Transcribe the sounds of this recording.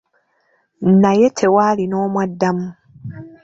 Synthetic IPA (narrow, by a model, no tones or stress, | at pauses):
najetʰewaːlino̞ːmwadːamu